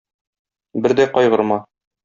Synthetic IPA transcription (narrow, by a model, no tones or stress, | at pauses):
bɘɾd̪æjqɒjʁɤ̆ɾmɑ